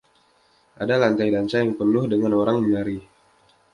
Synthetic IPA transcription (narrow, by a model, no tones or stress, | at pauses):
ʔadalaɲtajdant͡ʃajaŋpənʊhdəŋanoɾaŋmənaɾi